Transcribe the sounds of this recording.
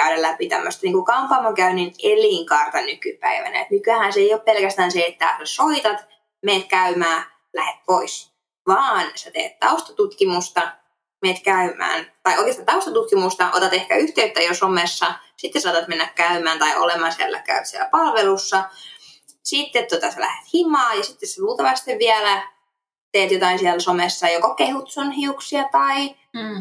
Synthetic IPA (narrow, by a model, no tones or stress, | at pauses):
kæyɾællæpit̪æ̰mːø̰st̪ɑniːŋkukɑmpɑːmɑkæynineliŋkɑrt̪ɑnykypæ̰iʋæ̰næ̰ḛt̪mykyæhænseijoppelkæst̪æːnseet̪ːæsoit̪ɑt̪ | meːt̪kæymæː | læhet̪̚pois | ʋɑːnset̪ḛːt̪t̪ɑust̪ɑt̪ut̪kimust̪ɑ | meːt̪kæymæ̰ːnt̪ɑiʔoikest̪ɑnt̪ɑust̪ɑt̪ut̪kimust̪ɑʔo̰t̪ɑt̪ehkæyht̪eyt̪ːæjosomesːɑsit̪ːesɑːt̪ɑt̪menːækkæymæːnt̪ɑio̰lemɑːnsiæ̰lːæ̰kæyt̪siæ̰læpɑlʋelusːɑ | sit̪ːet̪t̪ot̪ɑselæ̰het̪himɑːjɑsit̪ːesseruːt̪ɑʋɑst̪eʋʋiælæ | t̪eːt̪jot̪ɑinsiælsomesːɑjokokːehut̪sonhiuksiɑt̪ɑi